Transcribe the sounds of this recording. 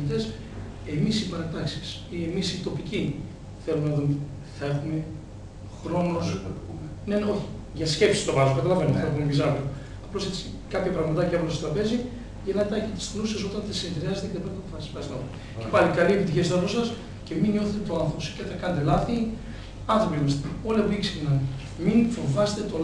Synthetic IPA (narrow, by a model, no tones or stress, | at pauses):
t̪e̞s | e̞misipɐɾɐt̪ɐksi̥s | ie̞misit̪o̞pici | θe̞lumenɐðume | θɐe̞xume̞ | xɾo̞nos | ne̞no̞çi̥ | ʝɐsce̞fsi̥st̪o̞vɐzuokɐt̪ɐlɐvenoθexumemizɐɾo | ɐplo̞se̞t͡si̥ | kɐpçɐpɾɐɣmɐt̪ɐcɐeponɐsot̪ɾɐpe̞zi | ʝenɐt̪ɐçet̪istluses̬o̞t̪ɐnθesineðɾiɐzet̪eet̪epot̪ofɐspɐst̪no | cepɐlikɐlie̞pit̪içisɐposɐs | ce̞minɲo̞θet̪et̪oɐnθɾopose̥ceθɐkɐnet̪elɐθi | ɐnθɾo̞pimɐst̪eo̞leviksixnɐn | minfo̞vɐset̪et̪o